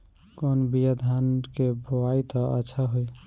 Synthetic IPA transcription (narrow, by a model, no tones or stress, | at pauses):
konbijəd̪ʱankeboait̪ɔʔə̰tːʃʰaɦoj